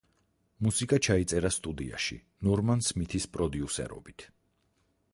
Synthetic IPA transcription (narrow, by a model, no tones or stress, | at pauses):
musikʼat͡ʃʰait̪sʼɛɾast̪ʼud̪ia̰ʃḭ | nɔɾmansmit̪ʰispʼɾɔd̪iusɛ̰ɾɔ̰bit̪ʰ